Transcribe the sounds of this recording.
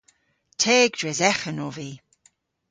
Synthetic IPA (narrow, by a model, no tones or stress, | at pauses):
tʰeːɡd̥ɹɛzɛxənoːviː